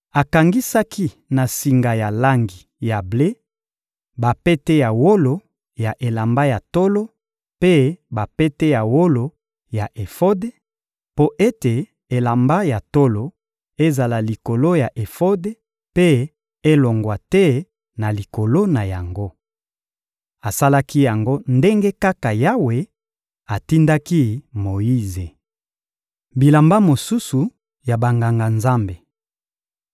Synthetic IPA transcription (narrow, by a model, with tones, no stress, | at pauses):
a˨ka˨ŋɡi˦sa˦ki˦ | na˨si˨ŋɡa˨ja˨la˦ŋɡi˨ | ja˨ble˦ | ba˨pe˦tɛ˦ja˨wo˦lo˨ | ja˨ʔe˨la˨mba˦ja˨to˦lo˦ | pe˦ba˨pe˦tɛ˦ja˨wo˦lo˨ | ja˨ʔe˨fo˦de˦ | po˦ʔe˦te˨ | e˨la˨mba˦ja˨to˦lo˨ | e˦za˨la˨li˨ko˨lo˦ja˨ʔe˨fo˦de˦ | pe˦ | e˦lo˨ŋɡwa˨tɛ˦ | na˨li˨ko˨lo˦na˨ja˨ŋɡo˦ | a˨sa˦la˦ki˦ja˨ŋɡo˦nde˦ŋɡe˦ka˦ka˨ja˦we˨ | a˨ti˦nda˦ki˦mo˨ji˦ze˨ | bi˨la˨mba˦mo˨su˦su˨ | ja˨ba˨ŋɡa˨ŋɡa˨nza˦mbe˨